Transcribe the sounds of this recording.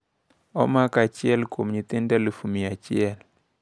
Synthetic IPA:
ɔ̰makat͡ʃiɛlkomɲit̪indalufumijat͡ʃiɛl

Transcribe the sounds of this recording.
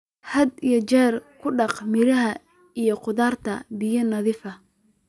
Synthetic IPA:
hɐd̪ijɔt͡ʃɛːrkʰʊɖɑqmɪɾɐɦɐ | ijɔqʊðaːrt̪ʰɐbɪjɐnɐðɪfɐ

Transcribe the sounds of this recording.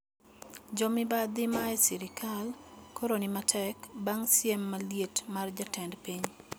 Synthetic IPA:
d͡ʒɔmɪbad̪ɪmaɛsiɾɪkʰalkʰoɾonimatʰɛkbaŋsjemːaljetmard͡ʒatɛndpiɲ

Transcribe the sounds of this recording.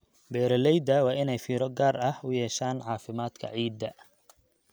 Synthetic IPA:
bɛːɾɐlɛjd̪ɐwɑːɪnɛjfiːɾɔɡaːrɐhʊjɛːʃaːnʕɑːfɪmaːd̪kʰɐ̰ʕiːd̪ːɐ

